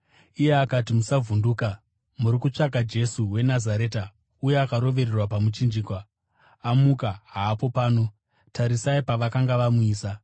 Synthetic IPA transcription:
ije̞akat̬imusavunduːka | muɾikut͡ʂak̬ad͡ʒe̞suwe̞nazaɾe̞ːta | uje̞akaɾo̞ʋe̞rerwapamut͡ʃind͡ʒiːkwa | amukaɦaːpo̞paːno̞ | taɾisaipaʋakaŋɡaʋamuiːsa

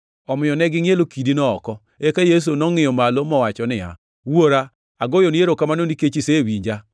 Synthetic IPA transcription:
ɔmɪɔnɛɡɪŋjelokidinɔɔkɔ | ekajes̬onɔŋɪjɔmalomɔwat͡ʃɔnɪa̰ | woɾa | aɡojoneɾokamanoniket͡ʃisewiɲd͡ʒa

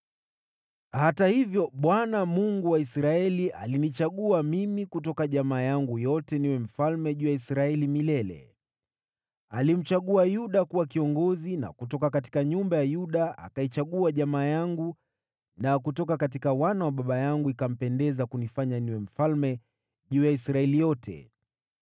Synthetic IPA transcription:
hatahivjɔɓwanamuŋɡuwaisɾaɛliʔa̰linit͡ʃaɠuamimikutɔkaʄamaːjaŋɡujɔtɛniwɛm̩falmɛʄuːjaisɾaɛlimilɛlɛ̰ | alim̩t͡ʃaɠuajuɗakuwakiɔŋɡɔzina̰kutɔkakat̬i̥kaɲumbajajuɗaa̰kait͡ʃaɠuaʄamaːjaŋɡu | nakutɔkakatikawanawaɓaɓajaŋɡuikam̩pɛndɛzakunifaɲaniwɛm̩falmɛ | ʄuːjaisɾaɛlijɔtʰɛ̰

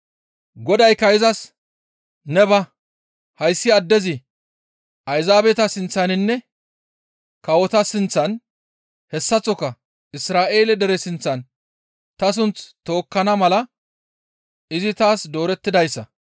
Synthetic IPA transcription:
ɡɔd̪ɐjkɐɪzɐs | nɛbɐ | hɐjsːɪɐd̪ːɛzɪ | ʔɐjzaːbɛt̪ɐsɪnt͡sːɐnɪnːɛ | kɐwɔt̪ɐsɪnt͡sːɐn | hɛsːɐt͡sɔkːɐ | ɪsɾaːʔe̞ːlɛd̪ɛɾɛsɪnt͡sːɐn | t̪ɐs̬ʊnt͡st̪o̞ːkːɐnɐmɐlɐ | ɪzɪt̪aːsd̪o̞ːɾɛt̪ːɪd̪ɐjsːɐ̰

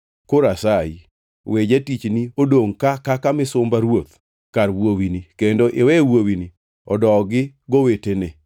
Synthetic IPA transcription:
koɾasaḭ | wed͡ʒatit͡ʃniodoŋkakakamɪsʊmbaɾwot̪ | karwowinikendoʔewɛwowini | ɔ̰dɔɡɪɡowetenɛ

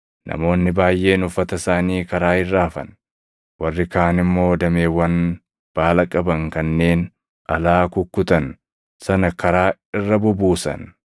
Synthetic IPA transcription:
nʔɐ̰mo̞ːnːɪbaːjʔːe̞ːnʊfːɐt̪ɐsaːniːkɐɾaːɪrːaːfɐ̰n | wɐrːɪkaːnɪmːo̞ːd̪ɐme̞ːwːɐn | b̥aːlɐkʼɐbɐŋkɐnːe̞ːn | ʔɐlaːkʊkːʊt̪ɐn | sɐnɐkɐɾaːɪrːɐbʊbuːsɐ̰n

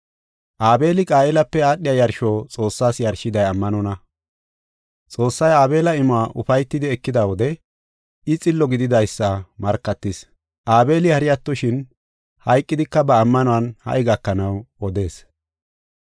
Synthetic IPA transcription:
ʔaːbe̞ːlɪkʼaːɛlɐpːɛaːɗːɪjajɐɾʃɔːt͡sʼo̞ːsːaːsjɐɾʃɪd̪ɐjɐmːɐnɔnɐ | t͡sʼo̞ːsːɐjaːbe̞ːlɐɪmʊaːʔʊ̰fɐjt̪ːɪd̪ɪɛkːɪd̪ɐwɔd̪ɛ | ɪt͡sʼɪlːɔɡɪd̪ɪd̪ɐjsːɐmɐɾkːɐt̪ːɪs | ʔaːbe̞ːlɪhɐɾɪjɐt̪ːɔʃɪn | hɐjkʼːɪd̪ɪkːɐbɐːmːɐnɔɐnhɐ̰ʔɪɡɐkːɐnɐwɔd̪e̞ːs

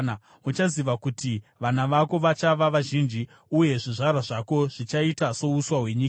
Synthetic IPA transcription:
ut͡ʃaziʋakutʰiʋanaʋako̞ʋat͡ʃaʋaʋaʒind͡ʒi | uje̞ʐiʐaɾaʐako̞ʐ̥it͡ʃaitaso̞uswawe̞ɲiːka

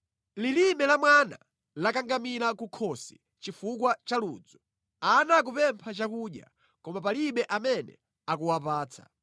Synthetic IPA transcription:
lilimɛlamwana̰ | lakaŋɡamilakukʰɔsi̥ | t͡ʃifukwat͡ʃalṵːd͡zɔ | anak̬upɛmpʰat͡ʃakuɗja̰ | kɔmapaliɓɛʔamɛnɛ̰ | akuwapaːt͡sʰḁ̰

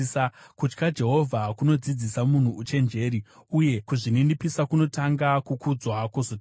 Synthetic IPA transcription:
akut͡ʃkad͡ʒe̞ɦo̞vʱakuno̞d͡zid͡zisamun̤uːt͡ʃe̞nd͡ʒe̞ːɾiuje̞kuʐinindipisakuno̞taŋɡakukud͡zwakozot

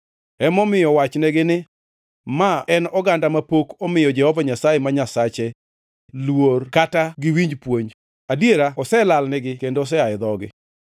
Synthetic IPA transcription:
ɛmɔmɪjɔwat͡ʃnɛɡɪnɪ | maɛnɔɡandamapokɔmɪjɔd͡ʒɛhɔvaɲasajemaɲasat͡ʃe | lworkataɡɪwiɲd͡ʒpwoɲ | adieɾaɔsɛlalnɛɡɪkendos̬ɛaɪd̪ɔɡɪ̰

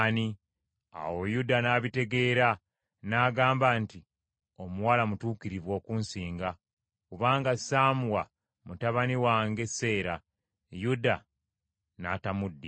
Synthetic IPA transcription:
ni | a̰wo̞judanaːβite̞ɡe̞ːɾa | naːɡaːmbanti | o̞muwalamutuːkiɾiβwo̞ːkuːnsiːŋɡa | kuβaːŋɡasaːmuwa | mutaβaniwaːŋɡe̞se̞ːɾa | juda | natamudːi

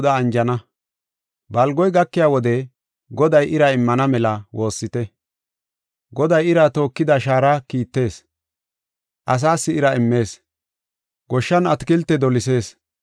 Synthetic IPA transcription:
d̪ɐːnd͡ʒɐnɐ | bɐlɡɔjɡɐkːɪjaːwɔd̪ɛ | ɡɔd̪ɐjʔɪɾɐɪmːɐnɐmɛlɐwo̞ːsːɪt̪ɛ | ɡɔd̪ɐjɪɾɐt̪o̞ːkːɪd̪ɐʃaːɾakiːt̪ːe̞ːs | ʔɐs̬aːsːɪɪɾɐɪmːe̞ːs | ɡɔʃːɐnɐt̪kɪlt̪ːɛd̪ɔlɪse̞ːs

